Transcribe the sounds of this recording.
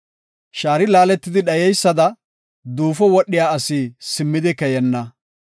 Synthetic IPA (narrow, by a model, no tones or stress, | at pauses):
ʃaːɾɪlaːlɛt̪ːɪd̪ɪɗɐjɛjsːɐd̪ɐ | d̪uːfɔwɔɗːɪjaːɐsisɪmːɪd̪ɪkɛjɛnːɐ